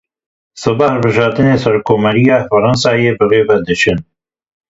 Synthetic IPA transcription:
sɨbɑhəlbɨʒɑːɾt̪ɨneːsɐɾkʰːoːmɛɾijɑːfɨɾɑnsɑːjeːbɨreːvɛd̪ɨʃɨn

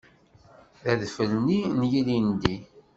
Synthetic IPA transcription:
ðæðfəlninjilind̪i

